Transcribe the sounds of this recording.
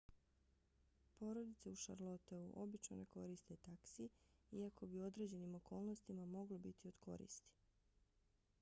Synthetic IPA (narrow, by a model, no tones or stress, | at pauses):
po̞ɾo̞d̪it̪seuʃa̰ɾlˠo̞t̪eṵʔo̞bit͡ʃno̞̰ne̞ko̞ɾist̪e̞t̪aksiiako̞bio̞d̪ɾe̞d͡ʑe̞nimo̞ko̞ːlˠno̞st̪imamo̞ɡlobit̪io̞d̪̥kʰo̞̰ɾḭst̪i̥